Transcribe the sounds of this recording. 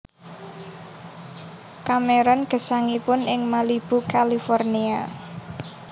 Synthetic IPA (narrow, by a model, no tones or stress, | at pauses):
kameɾɔnɡ̥ə̤saŋipʊnɪŋmalib̥ukalifɔrnia